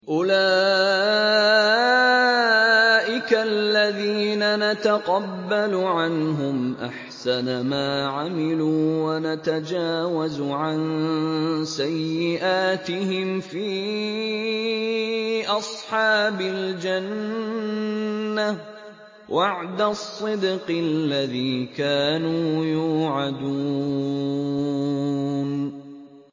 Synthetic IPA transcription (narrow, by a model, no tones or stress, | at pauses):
ʔʊlaː | ʔɪkalːaðiːnanat̪aqɑbːaluʕanɦʊmʔa̰ħsanamaːʕamɪluːwanat̪ad͡ʒaːwazuʕan | sajːɪʔaːt̪ɪhɪmfiː | ʔɑsˤħɑːbald͡ʒan | a | waʕd̪asˤːɨd̪qllːaðiːkaːnuːjuːʕad̪u | n